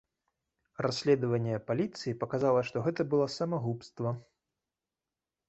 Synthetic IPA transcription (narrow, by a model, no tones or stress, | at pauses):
rasʲlʲɛd̪ɐvɐnʲːɛpalʲit̪sɨjipɐkazalˠɐʂt̪ɔɣɛt̪ɐbɨlˠɔsɐmaɣupst̪vɐ